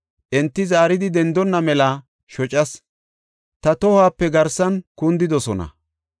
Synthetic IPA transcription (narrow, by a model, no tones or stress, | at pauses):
ʔɛnt̪ːɪzaːɾɪd̪ɪd̪ɛnd̪ɔnːɐmɛlɐ | ʃɔt͡ʃʼɐs | t̪ɐt̪ɔhaːpːɛɡɐɾsɐnkʊnd̪ɪd̪ɔsɔnɐ̰